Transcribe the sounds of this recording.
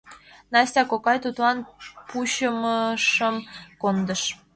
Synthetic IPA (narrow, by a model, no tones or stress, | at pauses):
nɑsʲt̪ʲɑkokɑjt̪ut̪lɑnpuɕəməʃəmkond̪əʃ